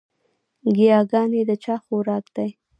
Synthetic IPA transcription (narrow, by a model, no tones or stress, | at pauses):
ɡijɑɡɑned̪ət͡ʃɑxoɾɑkd̪̥aj